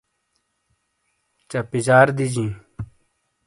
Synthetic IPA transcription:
t͡ɕɐpizaːɾd̪id͡ʑĩː

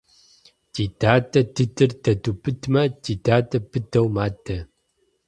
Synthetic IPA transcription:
titaːtɐtɨtɨrtɐtupɨtmɐtitaːtɐpɨtɐwmatʰːɐ

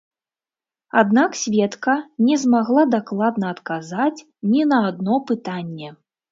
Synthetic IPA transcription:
ad̪naksʲvʲɛt̪kɐnʲɛzmaɣlˠad̪aklˠad̪nɐːt̪kazat͡sʲ | nʲinɐːd̪nɔpɨt̪anʲːɛ

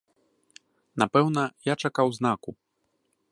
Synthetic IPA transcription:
napɛwnɐjat͡ʂakawznaku

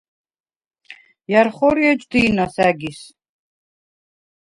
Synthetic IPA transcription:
jaɾχɔɾiɛd͡ʒʼd̪iːnasæɡis

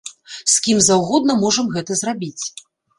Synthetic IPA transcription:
skʲimzawɣɔd̪̚nɐmɔʐɐmɣɛt̪ɐzrabʲit͡sʲ

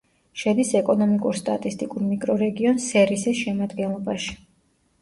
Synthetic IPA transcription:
ʃɛd̪isɛkʼɔnɔmikʼuɾst̪ʼat̪ʼist̪ʼikʼuɾmikʼɾɔɾɛɡiɔnsɛɾisisʃɛmad̪ɡɛnlˠɔbaʃi̥

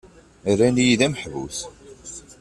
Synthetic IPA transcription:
rːænjiðæməħvṵθ

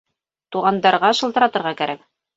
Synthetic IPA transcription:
t̪uʁɑnd̪ɑɾʁɑʃɤ̆lˠt̪ɤ̆ɾɑt̪ɤ̆ɾʁɑkæɾæk̚

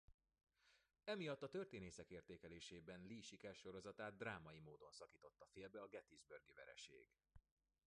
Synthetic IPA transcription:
ɛmijɒt̪ːɒt̪ørt̪eːneːsɛkeːrt̪eːkɛleːʃeːbɛnliːʃikɛrʃo̞ɾo̞zɒt̪aːd̪ːraːmɒjimoːd̪o̞nsɒkiːt̪o̞t̪ːɒfeːlbɛɒɡɛt̪izbørɡivɛ̰ɾɛ̰ʃḛːɡ̥

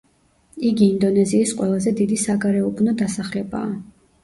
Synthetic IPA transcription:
iɡiːnd̪ɔnɛziːsqʼwɛlˠazɛd̪id̪isaɡaɾɛɔbnɔd̪asaχlɛba̰ː

